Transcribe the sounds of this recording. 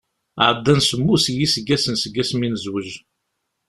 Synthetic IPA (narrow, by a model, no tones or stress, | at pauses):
ʕd̪ːænsəmːusjisəɡæsənsəɡæsminəzwəʒ